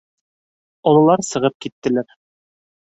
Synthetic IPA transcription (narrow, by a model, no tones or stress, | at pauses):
ɒlˠɤ̆lˠɑɾsɤ̆ʁɤp̚kit̪ːɘ̆læɾ